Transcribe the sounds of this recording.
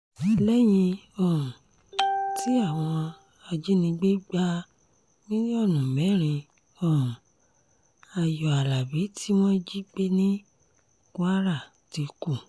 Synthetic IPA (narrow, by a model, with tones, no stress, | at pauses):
lɛ˦j̃ĩ˧ɔ̃˨ | ti˨˦a˦˨w̃ɔ̃˧ | a˧d͡ʒe˦nĩ˧ɡ͡be˦ɡ͡ba˦ | mĩ˦nĩ˦ɔ˦˨nũ˨mɛ̃˨˦ɾ̃ĩ˧ | ɔ̃˨ | a˨jɔ˨a˨la˨bi˨˦tʰi˦w̃ɔ̃˦d͡ʒi˦k͡pe˦nĩ˦ | kwa˦ɾa˦˨ | ti˨˧ku˦˨